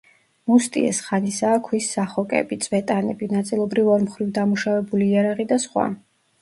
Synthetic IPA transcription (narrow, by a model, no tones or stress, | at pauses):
must̪ʼḭɛ̰sχanisaːkʰwisːaχɔkʼɛ̰bit̪sʼvɛt̪ʼanɛ̰binat̪sʼilˠɔbɾivɔɾmχɾivd̪amuʃavɛbuliːaɾaʁid̪asχwa̰